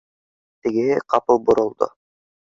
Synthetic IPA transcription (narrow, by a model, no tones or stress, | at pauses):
t̪ɘ̆ɡɘ̆hɘqɑpɤlˠbŏɾŏlˠd̪o̰